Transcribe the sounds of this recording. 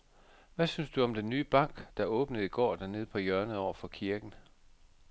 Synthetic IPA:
ʋæsynsd̥uɒ̽md̥enːyːb̥ɑ̈ŋ̰ɡ̥d̥ɑ̈ʔɔ̽ːb̥nəð̩ˠiɡ̥ɒ̰ːd̥æne̝ðˠpʰɒ̽jœɐnəɒʊ̰ɐfɒ̽kʰiɐɡ̥n̩

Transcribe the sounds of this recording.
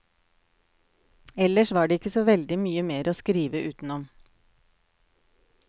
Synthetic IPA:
ɛləʃʋɑːɖeːɪkːəsoːʋɛld̪ɪmyːəmeːɾʔoːskɾiːʋəʔʉːt̪n̩ɔm

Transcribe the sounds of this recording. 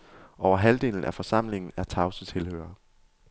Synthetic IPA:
ʔɒʊɐɦæld̥e̝̰ːln̩æfɒ̽sɑ̈m̰le̝ŋn̩æɐt͡sʰɑ̈ʊsət͡sʰe̝lhø̰ːɐ

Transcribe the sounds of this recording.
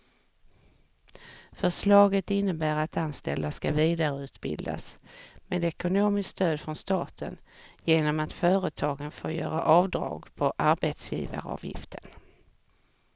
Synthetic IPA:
fœʂlɑːɡət̪ɪnːəbæːɾat̪anst̪ɛld̪askaviːd̪aɾəʉ̟ːt̪bɪ̰ld̪a̰smeːd̪ɛkʊnoːmɪskst̪øːd̪fɾɔnst̪ɑːt̪ʰə̰njeːnɔmat̪fœːɾət̪ʰɑːɡənfoːɾjœːɾa̰ʔɑːvd̪ɾɑ̰ːɡpʰɔʔaɾbet̪sjḭːva̰ɾəɑ̰ːvjɪ̰ft̪ʰə̥n

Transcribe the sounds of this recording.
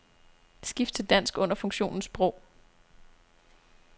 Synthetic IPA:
sɡ̥ifd̥̚t͡sʰe̝ld̥æn̰sɡ̥ɔ̽n̰ɐfɔ̽ŋɕo̝̰ːnn̩sb̥ʁɔʊ̰

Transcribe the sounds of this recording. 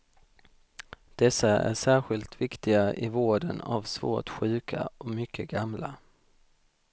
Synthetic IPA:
d̪̥ɛsːaæ̰ʂæːɾɧɪlt̪vɪkt̪ɪɡaʔɪvoːɖəna̰vsvo̰ːʈɧʉ̟ːkʰa̰ʔɔmʏkʰːəɡamla

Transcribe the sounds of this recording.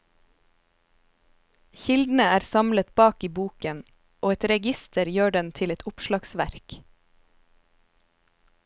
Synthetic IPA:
çɪld̪n̩əæːɾsɑmlət̪bɑːkiːbuːkən | ʔoːɛt̪ɾɛɡɪst̪ʰəɾjøːɖɛnt̪ʰɪlɛt̪ʊpʃlɑɡsʋæɾk

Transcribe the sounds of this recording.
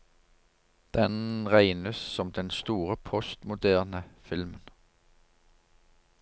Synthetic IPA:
d̪̥ɛnʁæɪnəssɔmd̪ɛnst̪uːʁəpʰɔst̪mʊd̪æːʁnəfɪlmən

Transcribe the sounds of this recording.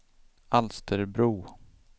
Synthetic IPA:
alst̪ʰəɾbɾuː

